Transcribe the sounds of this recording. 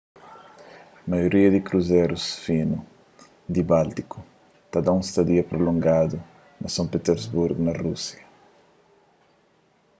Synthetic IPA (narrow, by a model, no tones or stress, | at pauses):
majoɾiɐd̪ikɾuzeɾusfinu | d̪ibalt̪iku | t̪ad̪aũst̪ɐd̪iɐpɾolõŋɡad̪u | nɐsɐ̃ŋpet̪eɾzbuɾɡnɐrusjɐ